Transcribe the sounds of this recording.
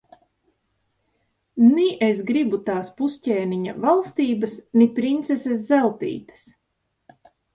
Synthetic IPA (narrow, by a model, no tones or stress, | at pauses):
niʔesɡɾibut̪aːspusʲcʲɛːniɲavalˠst̪iːbasnipɾint̪seses̬zɛlˠt̪ḭːt̪ḁs